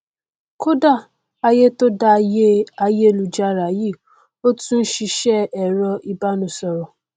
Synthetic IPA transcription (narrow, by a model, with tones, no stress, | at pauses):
ko˦da˦˨ | a˧je˦to˦da˧je˦a˧je˦e˦˨lu˧d͡ʒa˦ɾa˨ji˦˨ | o˦tũ˦n̩˦ʃi˧ʃɛ˦ɛ˨ɾɔ˧i˧ba˦nũ˧˦sɔ˧ɾɔ˨